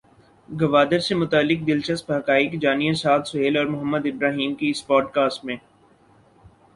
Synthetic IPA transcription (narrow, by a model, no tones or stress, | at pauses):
ɡɐʋaːd̪əɾsemʊt̪aːlːɪk̚d̪ɪlʃəst̪̚bɐɦkaːɪkd͡ʒaːnijasaːt̪sʊɦeːlɔːɾmʊɦəmːəd̪ɪbɾaːɦiːmkeɪspɔːɖkaːsʈmẽː